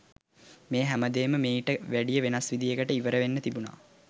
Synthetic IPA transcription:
meːɦæməd̪eːməmeːiʈəʋæɖijəʋenasʋid̪ijeɡəʈəiʋəɾəʋenːət̪ibuna̰ː

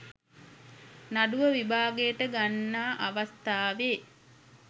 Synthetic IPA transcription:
naɖuʋəʋibʱaːɡejəʈəɡanːaːʔaʋast̪aːʋeː

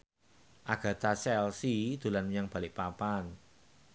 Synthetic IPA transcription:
ʔaɡ̥a̤t̪asɛlsid̪̥ṳlanmjaŋb̥ä̤lɪʔpapan

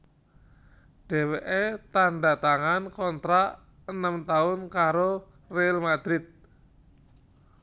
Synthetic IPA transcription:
ɖ̥e̤weʔet̪aɳɖat̪aŋankɔnt̪ɾaʔ | ənəmt̪aʊnkaɾo | realmad̪̥ɾɪt̪̚

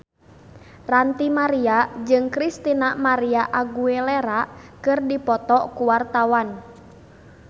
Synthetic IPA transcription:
rant̪imaɾiad͡ʒɨŋkɾist̪inamaɾiaʔaɡuelɛɾakɨrdipɔt̪ɔkuwart̪awan

